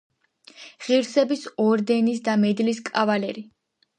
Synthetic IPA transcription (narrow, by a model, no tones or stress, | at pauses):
ʁiɾsɛbisɔɾd̪ɛnisd̪amɛd̪liskʼavalɛɾi